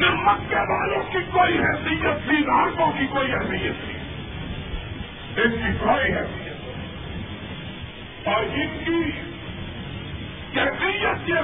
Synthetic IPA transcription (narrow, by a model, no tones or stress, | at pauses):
nɪɦmət̪kɛːdaːlõkikoːiɦɛːsɪjət̪biːnaːɾkõkikoːiɦɛːsɪjːət̪bi | ɪnkikoːiɦɛːsɪjət̪ː | ɔːɾɪnki | kɛːsɪjət̪̚ke